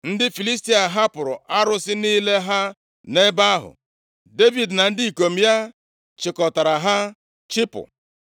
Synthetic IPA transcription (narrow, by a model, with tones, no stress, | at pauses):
n̩˦dɪ˦fi˨li˦s̬ti˦a˨ɦa˦pʊ˨ɾʊ˨a˦ɾʊ˦sɪ˦niː˦le˦ɦa˦ | ne˦ba˦a˦ɦʊ̰˨ | de˦vi˨dna˨n̩˦di˦i˨ko˨m̩˨˦ja˦ | t͡ʃɪ˨kɔ˨ta˨ɾa˨ɦa˦ | t͡ʃɪ˦pʊ̰˨